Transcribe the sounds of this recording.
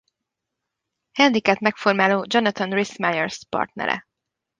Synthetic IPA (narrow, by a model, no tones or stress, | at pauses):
hɛnd̪ikɛtmɛkfo̞rmaːloːd͡ʒonɒt̪ɒnrismajɛrspɒ̰rt̪nɛ̰ɾɛ̰